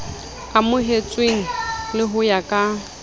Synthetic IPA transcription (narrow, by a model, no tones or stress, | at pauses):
amʊɦet͡sʼweŋ̩lɪɦʊjakʼa